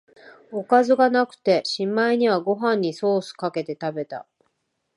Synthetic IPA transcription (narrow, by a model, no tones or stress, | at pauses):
o̞kazɨɡanakɯ̟̥t̪e̞ɕĩmːaiɲ̟iβaɡo̞ɦãɲ̟ːiso̞ːsɨ̥kake̞t̪e̞t̪abe̞t̪a̰